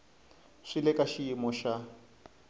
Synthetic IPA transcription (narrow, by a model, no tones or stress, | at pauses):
ʂilɛkaʃiimɔʃa